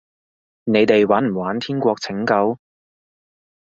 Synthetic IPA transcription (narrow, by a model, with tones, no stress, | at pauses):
ne˨˧jt̪e˨jwaː˨˥nm̩˨˩waː˨˥nt̪ʰiː˥nkʷɔː˧k̚t͡sʰɪ˨˥ŋkɐ˨˥w